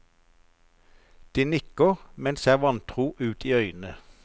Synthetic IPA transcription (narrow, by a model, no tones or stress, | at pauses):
d̪̥iːnʏkəʁmɛnseːʁʋɑnt̪ʰʁuːʔʉːt̪ʰiːœʏnə